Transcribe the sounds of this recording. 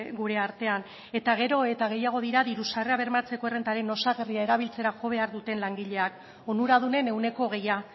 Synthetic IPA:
ɡuɾe̞aɾt̪e̞an | e̞t̪aɣ̞e̞ɾo̞e̞t̪aɣ̞e̞jaɣ̞o̞ðiɾaðiɾusareaβe̞ɾmat͡se̞ko̞ere̞nt̪aɾe̞no̞saɣeriae̞ɾaβ̞ilt͡se̞ɾaʝo̞βe̞aɾðut̪e̞nlaŋɡiʎe̞ak | o̞nuɾaðune̞ne̞wne̞ko̞ɣe̞ja

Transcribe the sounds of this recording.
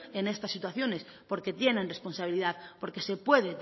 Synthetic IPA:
ene̞st̪asːit̪waθjo̞ne̞spo̞ɾke̞t̪je̞nẽ̞nre̞spo̞nsaβ̞iliðaðpo̞ɾke̞se̞pwe̞ðet̪

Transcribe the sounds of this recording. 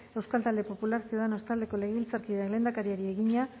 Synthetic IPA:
e̞wskalt̪ald̪e̞po̞pulaɾsioðano̞st̪ald̪e̞ko̞le̞ɣeβilt͡saɾkiðeakle̞ːnd̪akaɾieɾie̞ɣiɲa

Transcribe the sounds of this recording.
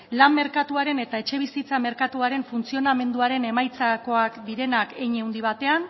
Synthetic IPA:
lamme̞ɾkat̪uaɾe̞ne̞t̪ae̞t͡ʃe̞β̞isit͡same̞ɾkat̪uaɾe̞ɱfunt͡sio̞name̞nd̪uaɾe̞ne̞majt͡sako̞akd̪iɾe̞nake̞jɲe̞wnd̪iβ̞at̪e̞an

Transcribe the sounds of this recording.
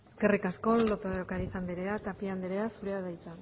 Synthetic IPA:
e̥ske̞rikasko̞lot̪oðokaɾisand̪eɾeat̪apiand̪eɾeasuɾeaðajt͡sa

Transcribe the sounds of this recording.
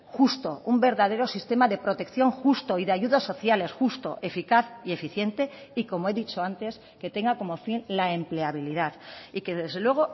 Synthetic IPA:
xust̪o̞umbe̞ɾðað̞e̞ɾosist̪e̞maðe̞pɾo̞t̪e̞kθjo̞ŋxust̪o̞iðeaʝuðaso̞θjale̞sxust̪o̞̰ʔe̞fikaθie̞fiθje̞nt̪e̞iko̞moe̞ðit͡ʃo̞ant̪e̞s | ke̞t̪e̞ŋɡako̞mo̞finlae̞mple̞aβ̞iliðaðike̞ðe̞zðelwe̞ɣ̞o̞

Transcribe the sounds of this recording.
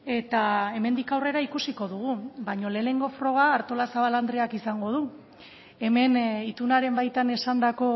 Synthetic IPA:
e̞t̪ae̞me̞nd̪ikawre̞ɾaikusiko̞ðuɣ̞ubaɲo̞le̞ːne̞ŋɡo̞fɾo̞ɣ̞aːɾt̪o̞lasaβaland̪ɾeakisaŋɡo̞ð̞u | e̞me̞nit̪unaɾe̞mbajt̪ane̞sand̪ako̞

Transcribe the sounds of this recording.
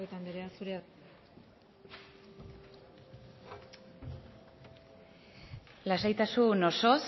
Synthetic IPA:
et̪and̪eɾeasuɾe̞a | lasajt̪asuno̞so̞s

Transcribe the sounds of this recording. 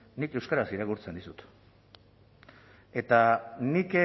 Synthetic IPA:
nike̞wskaɾasiɾakuɾt͡se̞nd̪isut̪ | e̞t̪anik

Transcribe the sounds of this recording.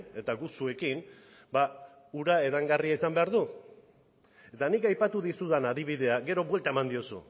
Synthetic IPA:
e̞t̪aɡusue̞kin | ba | uɾae̞ðaŋɡariaisambe̞aɾðu | e̞t̪anikajpat̪uðisuðanaðiβ̞iðe̞aɡe̞ɾo̞βwe̞lt̪ae̞mand̪io̞sṵ

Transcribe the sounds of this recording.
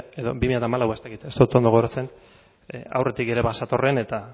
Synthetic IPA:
e̞ðo̞̰bimiʎjat̪aːmalawaest̪akit̪e̞st̪out̪o̞nd̪o̞ɣoɾat͡se̞n | a̰wre̞t̪ike̞ɾe̞βasat̪o̞re̞ne̞t̪a

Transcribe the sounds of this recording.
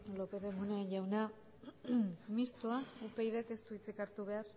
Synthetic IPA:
lo̞pe̞ðemuneanʝawna | mist̪oaupe̞jðeke̞st̪uit͡sikaɾt̪uβe̞aɾ

